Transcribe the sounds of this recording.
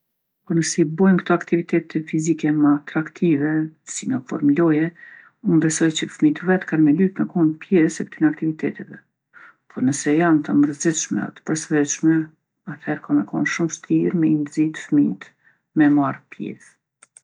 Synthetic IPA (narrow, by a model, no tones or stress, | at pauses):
pɔɾnəsɛbɔjnkt̪ɔakt̪ivit̪ʰɛt̪ʰɛfizikɛməat̪ɾakt̪ʰivɛsinɔfɔ̰ɾmlɔjɛ | unbɛsɔjt͡ɕəfmit̪əvɛt̪kanmɛlyt̪məkɔnpjɛsɛkt̪inak̚t̪ivit̪ʰɛt̪ɛvɛ | pʰɔɾnəsɛjant̪əməɾzɛʃmɛ̰a̰t̪ə̥pəɾsvɛʃmɛ | at̪hɛɾkɔmɛkɔ̰nʃumʃt̪ʰiɾmɛinzit̪ə̥fmit̪ | mɛmaɾpjɛ̰θ